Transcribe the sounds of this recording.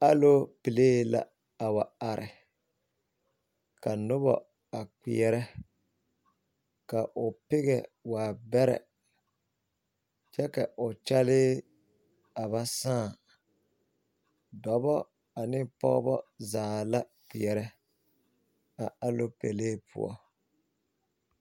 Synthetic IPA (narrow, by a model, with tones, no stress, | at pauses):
a˦lo˦pi˨leː˦la̰˨ | a˨wa˨a˨ɾʔɪ˨ | ka˨nʊ˦βɔ̰˨ | a˨k͡pi˨ɛ˨ɾɛ˦ | ka˨ʔʊ˨pɪ˦ɣɛ˨waː˨bɛ˦ɾɛ̰˨ | t͡ʃɛ˦ka˨ʔʊ˨t͡ʃa˦lɪː˦ | a˨βa˦saː˦˨ | dɔ˨bɔ˦ | a˨nɪ˦pɔ̰˦ɣbɔ˦zaː˨la˦k͡pi˨ɛ˨ɾɛ˦ | a˨a˦lo˦pe˨leː˦pʰʊ̰˨ɔ̰˦